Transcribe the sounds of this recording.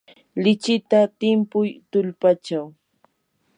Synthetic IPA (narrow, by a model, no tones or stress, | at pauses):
lɪt͡ʃɪt̪at̪ɪmpʊjt̪ʊlpat͡ʃaw